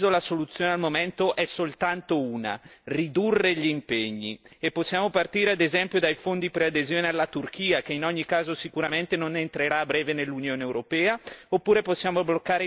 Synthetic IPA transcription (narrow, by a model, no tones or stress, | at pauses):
zolasolut̪sːjoːnealmomɛnt̪oʔɛsolt̪ant̪ouːna̰rid̪urːeʎimpeɲːḭepːosːjaːmopart̪iːɾead̪ezɛmpjod̪ajfond̪ipɾead̪ezjoːnealːat̪urk̟iːakeinɔɲːikaːzosikuɾament̪enonent̪ɾeɾabɾɛːvenelːunjoːnewɾopɛːaopːuːɾeposːjaːmoblokːaːɾe